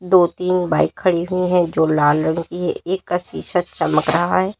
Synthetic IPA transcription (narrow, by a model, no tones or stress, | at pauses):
d̪oːt̪iːnbaːɪkʰːɐɽiɦʊiɦɛ̃d͡ʒoːlaːlənkiɦɛ̰eːkːaswiːʃət̪̚t͡ʃɐməkɾɐɦaɦɛː